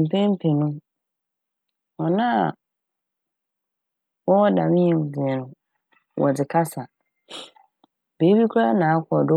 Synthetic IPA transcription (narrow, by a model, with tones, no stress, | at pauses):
m̩˨pʰɛ̃˦m̩˦pʰɛ̃˨nũ˦ | ɔ˨nã˦˨ | wɔ˦wɔ˦da˨mɪ̃˦ɛ˨d͡zi˨ɛ˨nʊ̃˨ | wɔ̰˨d͡zɪ˨kʰa˦sa˨ | be˨˦bi˦kʰu˦ɾa˦nãː˨a˦kʰɔ˨dʊ˦